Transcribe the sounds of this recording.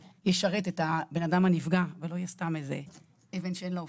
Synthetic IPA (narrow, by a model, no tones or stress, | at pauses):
jeʃaʁet̪et̪abe̞nadamhanifɡavelo̞jest̪amezḛ | evenʃeenlo